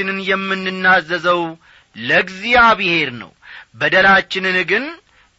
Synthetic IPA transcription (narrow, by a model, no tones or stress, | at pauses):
ɪnɨnjɛmːɨnːɨnːazːəzəw | ləɡzijaβɨhe̞ɾnə̰wbəd̪əlat͡ʃːɪnɨnɡɨn